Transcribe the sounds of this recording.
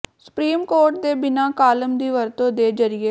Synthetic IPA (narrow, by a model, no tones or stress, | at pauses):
sʊ̥pɾiːmkoːɾʈ̚d̪eːbɪnaːkaːləmd̪iːʋəɾt̪õːd̪eːd͡ʒəɾɪeː